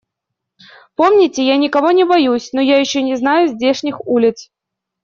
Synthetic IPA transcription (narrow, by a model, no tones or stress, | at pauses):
po̞mnʲɪtʲɪjanʲɪkɐvo̞nʲɪbɐjusʲnojajɪɕːonʲɪznajʊzʲdʲe̞ʂnʲɪxulʲɪt̪s